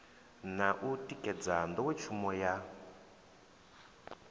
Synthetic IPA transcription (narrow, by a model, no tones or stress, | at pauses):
naʔutikɛd͡zandɔwɛt͡ʃʰumɔja